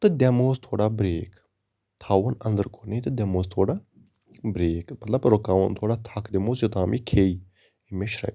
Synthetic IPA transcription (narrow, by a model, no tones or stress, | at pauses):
t̪ɨd̪ʲemoːst̪ʰoːɽaːbɾeːk | t̪ʰaːʋənɐnd̪əɾkʰoːnet̪ɨd̪emoːst̪ʰoːɽaː | bɾeːkmɐt̪lɐbɾokaːʋənt̪ʰoːɽaːt̪ʰakd̪emoːsjot̪aːmiːkʰeːi | imeʃɾɐ̰